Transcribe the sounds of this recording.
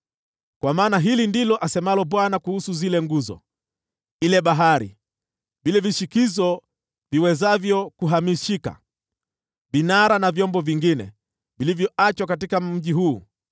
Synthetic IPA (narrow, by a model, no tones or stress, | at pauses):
kwamaːnaɦilindilɔʔasɛmalɔɓwanakuhusuzilɛŋɡuzɔ̰ | ilɛɓaɦaɾḭ | ɓilɛviʃikizɔ | viwɛzavjɔkuɦamiʃika̰ | ɓinaɾanavjɔmbɔviŋɡinɛ̰ | vilivjɔat͡ʃwakatikam̩ʄiɦuː